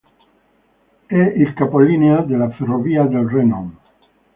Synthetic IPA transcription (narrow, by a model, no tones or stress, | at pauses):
ɛilkapolinead̪elaferoviad̪elrenɔm